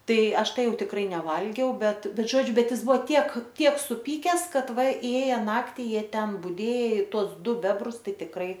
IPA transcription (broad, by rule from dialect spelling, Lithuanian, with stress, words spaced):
ˈtɐɪ ˈɐʃ ˈtɐɪ ˈjɛʊ tʲɪkˈrɐɪ nʲɛˈʋɐlʲɡʲɛʊ ˈbʲɛt ˈbʲɛt ˈʒoːd͡ʒʲʊ ˈbʲɛt ˈjɪs ˈbʊʋoː ˈtʲiɛk ˈtʲiɛk sʊˈpʲiːkʲɛs ˈkɐt ˈʋɐ ˈeːjɛ ˈnɑːktʲɪ ˈjiɛ ˈtʲɛn bʊˈdʲeːj ˈtuɔs ˈdʊ ˈbʲæːbrʊs ˈtɐɪ tʲɪkˈrɐɪ